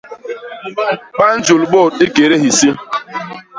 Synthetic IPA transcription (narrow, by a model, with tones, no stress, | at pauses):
k͡pa˦n̩˦d͡ʒʊ˨lɡ͡bɔ˦˨te˦ke˨ɾe˦ɦi˨si˦